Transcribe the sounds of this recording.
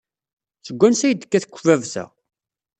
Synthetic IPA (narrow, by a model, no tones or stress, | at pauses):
θəɡʷːænsæjəd̪ə̥kːæθə̥kʷːvævsæ̰